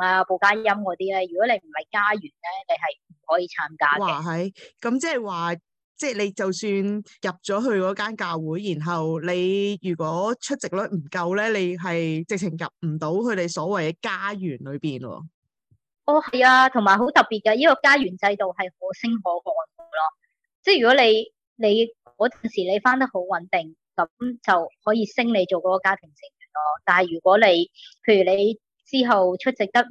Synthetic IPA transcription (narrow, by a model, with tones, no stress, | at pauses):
ŋaː˧po˨wkaː˥jɐ˥mŋɔː˨˧t̪iː˥lɛː˥jyː˨˩kɔː˨˥ne˨˧jm̩˨˩hɐ˨jkaː˥jyː˨˩nlɛː˥le˨˧jɦɐ˨jm̩˨˩hɔː˨˥jiː˨˧t͡sʰaː˨˥mkaː˥waɛː˨˩ɦɐ˨jkɐ˨˥mt͡sɛː˥˩waː˨ | t͡sɛː˥˩le˨˧jt͡sɐ˨wsyː˧njɐ˨p̚t͡ʃɔː˨˥ɦɵ˧ɥkɔː˨˥kaː˥nkaː˧wwuː˨˥jːiː˨˩nɦɐ˨wle˨˧jjyː˨˩kɔː˨˥t͡ʃʰɵ˥t̚t͡sɪ˨k̚lɔ˥m̩˨˩kɐ˧wlɛː˥le˨˧jɦɐ˨jt͡sɪ˨k̚t͡sʰɪ˨˩ŋjɐ̰˨p̚m̩˨˩t̪o˨˥wkʰɵ˨˧ɥt̪e˨jsɔː˨˥wɐ˨jɛ˧kaː˥jyː˨˩nlɵ˨˧ɥpiː˨˩nwɔ̰ː˧ | ʔɔː˧hɐ˨jaː˧t̪ʰʊ˨˩ŋmaː˨jɦo˨˥wt̪ɐ˨pːiː˨t̚kɐː˧jiː˥kɔː˧kaː˥jyː˨˩nt͡sɐ˧jt̪o˨wɦɐ˨jho˨˥wsɪ˥ŋɦɔː˨˥kɔː˧ɔ˨˩to˨˩lɔː˥ | t͡sɛː˥jyː˨˩kɔː˨˥le˨˧j | le˨˧jkɔː˨˥tɐː˨nsiː˨˩le˨˧jfaː˥nt̪̬ɐ˥k̚ho˨˥wwɐ˨˥nt̪ɪ˨˩ŋ | kɐ˨˥mt͡sɐ˨whɔː˨˥jiː˧sɪ˥ŋne˨˧jt͡ʃo˨wkɔː˨˥kɔː˨˧kaː˥t̪ʰɪ˨˩ŋsɪ˨˩ŋ˨˩lɔː˥t̪aː˨nhɐ˨jyː˨˩kʷwɔː˨˥le˨˧jpʰe˧jɥyː˨˩le˨˧j | t͡siː˥ɦɐ˨wt͡ʃʰɵ˥t̚t͡sɪ˨k̚t̪ɐ˥k̚